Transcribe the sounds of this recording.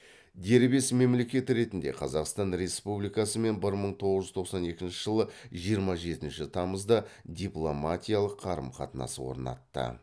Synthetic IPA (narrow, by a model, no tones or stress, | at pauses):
d̪e̞ɾbe̞sme̞mle̞kʲe̞t̪ɪɾe̞t̪ɪnd̪e̞̰qʰɑzɑqst̪ɑnɾe̞spublijkɑsəme̞nbɪɾməɴt̪ʰo̞ʁəzʒʏzt̪ʰo̞qsɑne̞kʲɪnʃɪʒəlˠəʒijəɾmɑʒe̞t̪ɪnʃɪt̪ʰɑməzd̪əd̪ʲiplˠo̞mat̪ʲijalˠəqʰːɑɾə̰mqʰɑt̪ənɑ̰səwo̞̰ɾnɑ̰t̪ːə̰